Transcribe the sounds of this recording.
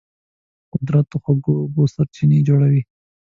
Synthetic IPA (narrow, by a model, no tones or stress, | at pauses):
qʊd̪ɾat̪oxwaɡobosaɾt͡ʃined͡ʒoɽawi